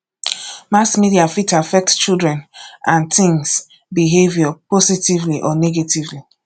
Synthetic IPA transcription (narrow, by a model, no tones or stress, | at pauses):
masmidiafitafɛk̚tt͡ʃildɹɛ̃nãnt̪ɪ̃ŋs | biɦevjɔpositivliʔɔneɡetivli